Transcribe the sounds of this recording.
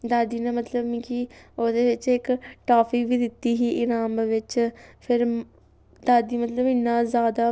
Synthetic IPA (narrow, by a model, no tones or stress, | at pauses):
d̪aːd̪iːnẽːmət̪ləbmĩkiːoːd̪eːʋɪt͡ʃɪkʈaːpʰikʋiːd̪ɪt̪ːiːɦiːʔɪnaːmʋɪt͡ʃpʰɪɾ | d̪aːd̪iːmət̪ləbɪnːaːzjaːd̪aː